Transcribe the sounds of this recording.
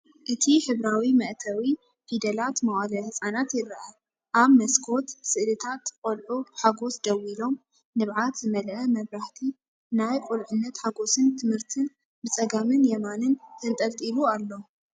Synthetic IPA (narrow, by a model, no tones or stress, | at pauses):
ʔɨt̪ʰiħɨβɾawimɐʔt̪ʰɐwi | fid̪ɐlat̪mɐwalɐhɨsʼanat̪jɪɾɐʔa | ʔaβmɐskʰo̞t̪sɨʔlɨt̪ʰat̪kʼolʕubɨħaɡo̞sd̪ɐwilo̞m | nɨβʕat̪zɨmɐlʔɐmɐβɾaħt̪ʰi | najkʼʊlʕʊnːɐt̪ħaɡo̞sɨnt̪ʰɨmhɨɾt̪ʰɨn | bɨt͡sʼɐɡamɨnjɛmanɨnk̪ʰɨnt̪ʼɐlt̪ʼilualːo̞